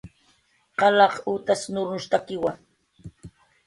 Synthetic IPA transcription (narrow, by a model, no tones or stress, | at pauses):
qɑlɑqut̪asnʊɾnʊʃt̪akɪwaŋ